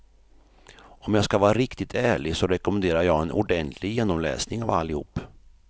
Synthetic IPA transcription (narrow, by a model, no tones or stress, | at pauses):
ɔmjɑːskavɑːɾaɾɪkt̪ɪt̪ʰæːɭɪɡsɔɾɛkɔmɛnd̪eːɾaɾjɑːɡɛnʔʊ̰ɖɛnt̪ʰlɪɡjeːnɔmlɛ̰ːsnɪŋava̰lːɪhṵːpː